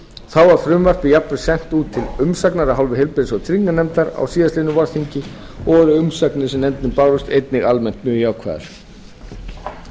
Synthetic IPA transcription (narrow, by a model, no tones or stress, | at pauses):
θawvaɾ̥fɾʏmvar̥pɪjapnʏ̥sɛm̥t̪uːt̪ʰːɪlʏmsaknaɾaɦawlvɪhɪlpɪsɔt̪ʰɾiŋkːanɛmt̪aɾa̰wsiːðaslɪnʏvɔɾθiɲcɪ | ɔːɣɾɪʏmsaknɪsɛmɛnt̪nɪpaːwɾʏst̪ejt̪nɪɣalmɛn̥t̪mjœːjaːwkʰva̰ːð̰ɾ̥